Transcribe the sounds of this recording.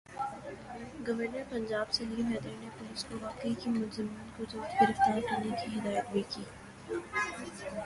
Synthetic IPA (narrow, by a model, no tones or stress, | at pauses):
ɡɐʋəɾnəɾpɐ̃ɲd͡ʒaːbseliːmɛːd̪əɾnepɐɦɪskoʋaːqeikimʊlzɪmiːnkod͡ʒʊlt̪ɡɪɾɪft̪aːɾkɐɾnekiɦɪd̪aːjət̪̚bʱikiː